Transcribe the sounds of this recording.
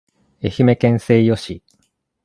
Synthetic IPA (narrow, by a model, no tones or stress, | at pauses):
e̞çime̞kẽ̞ɰ̃se̞ːjoɕi